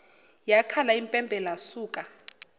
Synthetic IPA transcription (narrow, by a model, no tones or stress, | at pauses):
jakʰalaimpʼɛmbʱɛlasuːkʼa